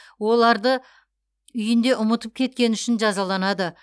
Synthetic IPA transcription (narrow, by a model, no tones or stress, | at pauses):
wo̞lˠɑɾd̪ə | ʏjɪnd̪e̞ʔʊmət̪əp̚kʲʰe̞t̪̚kʲe̞nʏʃɪnʒɑzɑlˠɑnɑd̪ə